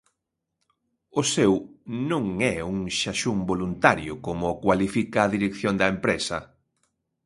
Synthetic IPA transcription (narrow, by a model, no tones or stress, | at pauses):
ʊsewnõŋɛuŋʃaʃuŋbolunt̪aɾjʊkomʊkwalifikɐːðiɾekθjond̪ɐempɾesɐ̰